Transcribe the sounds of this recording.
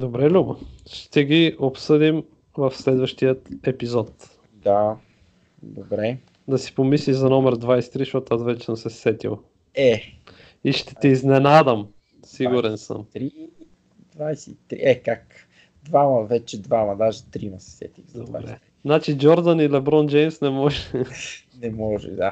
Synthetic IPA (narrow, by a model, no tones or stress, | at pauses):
d̪obɾɛlʲubəʃt̪ɛɡiopsɤd̪im | vɐfslɛd̪vəʃt̪ijət̪ɛpizɔt̪ | d̪a | d̪obɾɛ | d̪ɐsi̥pomisliʒzɐnɔmɛɾd̪vajsɛ̥t̪ɾiʃɔt̪azvɛt͡ʃɛ̥səmsɛssɛt̪ḭlˠ | ɛ | iʃt̪ɛ̥t̪ɛiznɛnad̪əm | siɡuɾɛnsə̰mt̪ɾi | d̪vajsɛt̪ɾiʔɛkak | d̪vamɐvɛt͡ʃɛd̪vamɐd̪aʒɛt̪ɾimɐsɛ̥sɛ̰t̪ixzd̪obaɾɛ̰ | znat͡ʃiɡʲɔɾd̪ənilɛbɾɔnd͡ʒɛjmsnɛmɔʒɛ | nɛmɔʒɛ̰d̪a